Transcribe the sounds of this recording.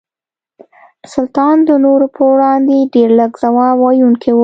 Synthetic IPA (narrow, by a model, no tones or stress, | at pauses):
sʊlt̪ɑnd̪ənoɾopʰəwɽɑnd̪eɖeɾləɡz̥awɑwɑjuŋkʰewə